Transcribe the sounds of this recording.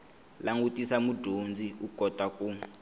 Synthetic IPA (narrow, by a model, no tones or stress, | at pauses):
laŋɡutisamudʱond͡ziukɔtaku